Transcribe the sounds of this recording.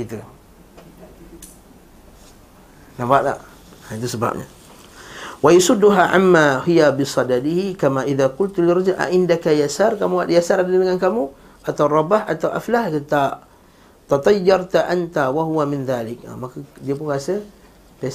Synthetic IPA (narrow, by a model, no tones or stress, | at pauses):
it̪u | nabaʔla̰ʔ | ait̪usəba̰p̚ɲa̰ | wajasʊdːuɦaʕa̰mːahijabɪsˤɑdad̪ihikamaʔiðakʊlt̪lɪrˤɑd͡ʒʊlʔa̰ʔɪndakajasarkamuaʔdjasaɾadaadəŋankamu | ʔat̪awrˤɑbahʔat̪awʔaflaht̪t̪a | t̪ɑt̪ˤɑjːɑɾˤt̪aʔant̪awaɦuwamɪnðaːlɪka̰makadiap̬ʊnkasə | pe